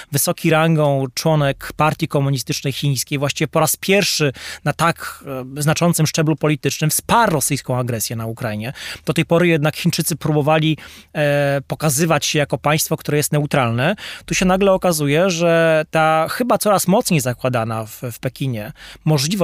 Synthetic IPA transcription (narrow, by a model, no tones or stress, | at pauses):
vɘsɔkʲiɾaŋɡɔt͡ʂwɔnɛkpaɾt̪ʲjikɔmuɲist̪ɘt͡ʂnɛjxʲĩj̃skʲejvwaɕt͡ɕivʲɛpɔɾaspʲjɛɾfʂɘnat̪akznat͡ʂɔnt̪sɘmʂt͡ʂɛblupɔlʲit̪ɘt͡ʂnɘmspaɾːɔsɘjskɔ̃w̃aɡɾɛsʲjɛnaukɾaiɲɛd̪ɔt̪ɛjpɔɾɘjɛd̪nakxʲint͡ʂɘt̪sɘpɾubɔvalʲi | pɔkazɘvat͡ɕɕɛjakɔpaj̃st̪fɔkt̪uɾɛjɛst̪nɛut̪ɾalnɛt̪uɕɛnaɡlɛɔkazujɛʐɛt̪axɘbat̪sɔɾasmɔt̪sɲejzakwad̪anaffpɛkʲiɲɛmɔʐlʲivɔ